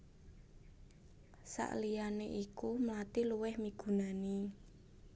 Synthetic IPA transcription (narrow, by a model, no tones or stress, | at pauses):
sa̰ʔlianeʔikumlat̪iluwɪhmiɡ̥ṳnani